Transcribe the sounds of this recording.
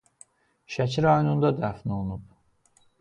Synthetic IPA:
ʃæcʰiɾɑjonund̪ɑd̪æfnonub

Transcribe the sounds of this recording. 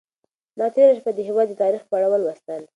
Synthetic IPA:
d̪ɑt̪eɾaʃpad̪əɦɪwɑd̪ːət̪ɑɾixpaɽawəlwast̪əl

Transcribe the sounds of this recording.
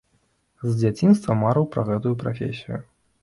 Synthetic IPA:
zʲd͡zʲat͡sʲinst̪vɐmaɾɨwpɾɐɣɛt̪ujupɾafʲḛsʲijʊ

